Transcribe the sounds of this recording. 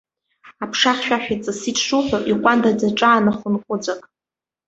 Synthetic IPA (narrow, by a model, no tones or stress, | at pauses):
apʰʂaχʲʃᶣaħᶣat͡sʼɨsitʰʂuħʷᶣaiqʷʼandad͡zaʈ͡ʂʼaːnaχʷʊnqʷʼʊd͡zʷakʼ